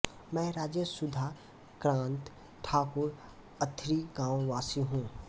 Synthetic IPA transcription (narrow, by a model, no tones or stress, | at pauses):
mɛ̃ːɾaːd͡ʒjəsʊd̪ʱa | kɾãːnt̪ | ʈʰaːkʊɾ | ət̪ʰɾiɡãːwʋaːsiɦũː